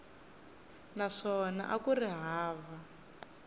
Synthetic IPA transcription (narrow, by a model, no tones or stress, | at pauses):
naʂɔna̰ʔakuriɦaːva